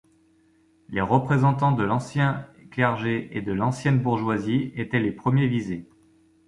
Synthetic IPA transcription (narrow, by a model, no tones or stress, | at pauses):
leʁəpχezɑ̃t̪ɑ̃d̪əlɑ̃sjɛ̃klɛʁʒeʔed̪əlɑ̃sjɛnbuʁʒwaziet̪ɛlepχəmjevize